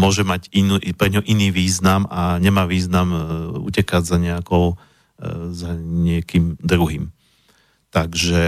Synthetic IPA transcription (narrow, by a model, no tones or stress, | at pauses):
mʊɔʒɛmaɟiupɾɛɲɦɔʔiniːʋiːznamaɲɛmaːʋiːznamṵcɛkaɟzaɲɛakɔʊ | zaɲɪɛkiːmd̪ɾuɦiːm | t̪aɡʒɛ